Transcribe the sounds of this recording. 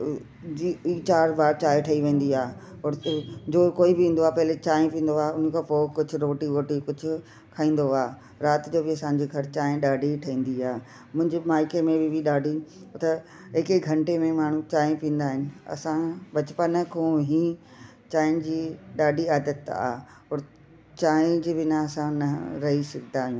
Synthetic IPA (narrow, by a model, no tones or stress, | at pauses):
it͡ɕaːɾbaːɾt͡ɕaːjʈʰɐiʋẽːn̆d̪iaː | ɔːɾd͡ʑoːkoːibɪĩːn̆d̪oaːpɐɦɪlet͡ɕaːj̃ẽpĩːnd̪oaːʊn̤əkʰãːpoːkʊd͡ʑʱʊ̆ɾoːʈiɾoːʈikʊd͡ʑʱʊ̆ | kʰaːĩːn̆d̪oaː | ɾaːt̪d͡ʑoːbɪɐsãɲd͡ʑiɡʱɐɾt͡ɕaːɪ̃ɗaːɖʱiʈʰɐĩːn̆d̪iaː | mʊ̃ɦɪ̃ɲd͡ʑemaːɪkemẽbɪbɪɗaːɖʱit̪e | ɦɪkeɡʱɐ̃ɳʈemẽmaːɳ̤ũt͡ɕãːpĩːn̆d̪aːɦɪnɪ̆ɐ̰sãbɐt͡ɕpənkʰõːɦĩː | t͡ɕaːɪnd͡ʑiːɗaːɖʱiaːd̪ət̪a̰ː | ɐːɾ | t͡ɕaːɪ̃d͡ʑbɪnaɐsãnɐɾɐɦisɐɡʱt̪aːɦijũː